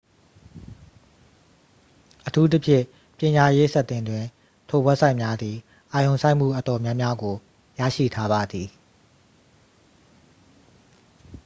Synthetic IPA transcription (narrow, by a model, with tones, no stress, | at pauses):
ʔətʰu˦t̪̬ə˦pʰjɪ̰̃˦˨ | pjɪ̃˨ɲa˨je˦sɛ˦ʔt̪ːɪ̃˨ndwɪ̃˨ | tʰo˨wɛ˦ʔsʰã˦˨ɪ̃˨mja˦d̪ði˨ | ʔa˨jõ˨ʊ̃sã˦ɪ̃˨m̥ṵ˦˨ʔə˨tɔ˨mjã˦mja˦ɡo˨ | jä̰˦˨ʃḭ˦˨tʰa˦ba˨d̪i˨